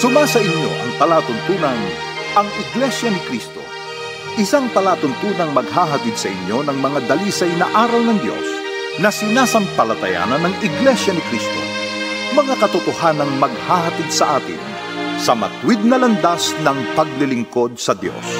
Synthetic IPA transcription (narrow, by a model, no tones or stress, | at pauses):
sʊmasɐʔɪɲjo̞̰ʔɐ̰ŋpɐlaːt̪ʊnt̪uːnɐn | ʔɐŋɪɡlɛʃjɐnɪkɾist̪o̞̰ | ʔɪsaŋpɐlaːt̪ʊnt̪uːnɐŋmɐɡ̚haːɦɐt̪id̪sɐʔɪɲjo̞nɐŋmɐŋad̪ɐliːsɐjnɐʔaːɾɐlnɐŋd̪jo̞̰s | nɐsɪnaːsɐmpɐlɐt̪ɐja̰ːnɐnːɐŋɪɡlɛʃjɐnɪkɾist̪o̞̰ | mɐŋakɐt̪ʊt̪ohanɐŋmɐɡ̚haɦɐt̪id̪̚sɐʔaːt̪ɪ̰n | sɐmɐ̰t̪wɪd̪̚nɐlɐnd̪asnɐŋpɐɡ̚lɪlɪŋko̞d̪̚sɐd̪jo̞̰s